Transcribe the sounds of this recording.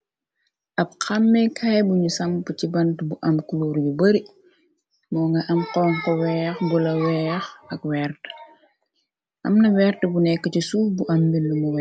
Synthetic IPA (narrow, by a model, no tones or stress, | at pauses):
ʔɐb̚kɐmːɛkʰɐjbuɲusɐŋpucibɐntbuʔɐmkuloːɾibubɐɾi | mɔːŋɡɐʔɐmqɔːŋkɔwɛɐxbulɐwɛɐxɐkwɛːrt | ʔɐ̰mnɐwɛːrtəbunɛkːət͡ʃisuːbuʔɐmbinːumuwɛ